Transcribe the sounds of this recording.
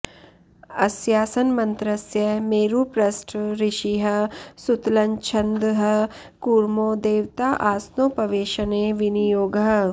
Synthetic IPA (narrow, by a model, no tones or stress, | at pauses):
ɐsjaːsɐnmɐ̃nt̪ɾɐsjɐmeːɾupɾɐsʈʰɾɪʃiɦɐsut̪lɐɲt͡ʃʰɐ̃nd̪ɦɐ | kuːɾmoːd̪eːʋt̪aːʔaːsnoːpɐʋeːʃəneʋɪnijoːɡɦɐ